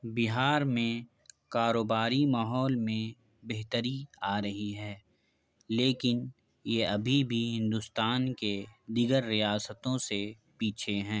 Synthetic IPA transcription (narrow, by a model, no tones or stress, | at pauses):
bɪɦaːɾmẽ | kaːɾoːbaːɾimaːɦɔːlmẽ | beɦt̪əɾiaːɾɐɦiɦɛː | leːkɪn | jeɐbʱibʱiɦɪ̃nd̪ʊst̪aːnked̪iːɡəɾːijaːsət̪õse | piːt͡ʃʰeɦɛ̃ː